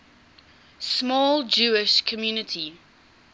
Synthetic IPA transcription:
smɔːld͡ʒuːɪʃkʰəmjuːnɪtʰi

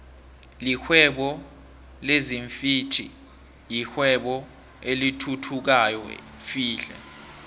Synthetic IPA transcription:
lixwɛɓɔ | leziɱfitʰḭ | jixwɛɓɔ | elitʰutʰuk̬ajɔ̰ | fiːɬɛ̰

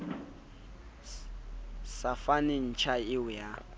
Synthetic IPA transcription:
safanɪn̩t͡ʃʰaɪʊja

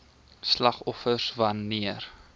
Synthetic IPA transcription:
slɐχɔfərvɐniər

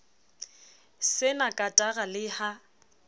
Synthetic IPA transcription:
sɪnakʼatʼaɣalɪha

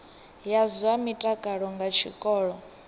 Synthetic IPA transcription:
jazwamitʼakʼaɺɔŋɡat͡ʃʰḭkʼɔːɺɔ

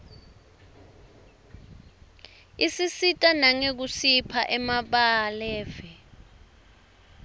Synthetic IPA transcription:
isisitʼanaŋek̬usipʰaʔɛmaɓaːlɛːvɛ

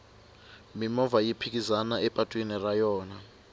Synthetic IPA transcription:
mimɔvajipʰik̬ʼizanaɛpʼatʼwinirajɔːna

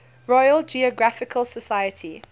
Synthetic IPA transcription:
ɹɔjəld͡ʒiɔɡɹafɪkʰəlˠsəsajətʰi

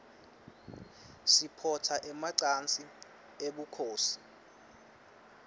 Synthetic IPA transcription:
sipʰɔtʰaʔɛmaǀant͡sʼi | eɓukʰoːsi̥

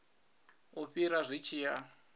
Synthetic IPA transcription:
uɸiɾaʐʷit͡ʃʰija

